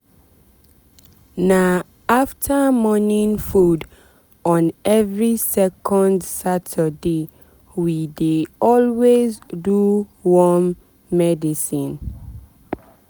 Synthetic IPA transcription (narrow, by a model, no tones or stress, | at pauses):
na | aftʰamɔnĩnfud | ɔ̃nɛvɹisɛkʰɔ̃ndsatʰəde | wideɔlwezduwɔmː | ɛdisĩn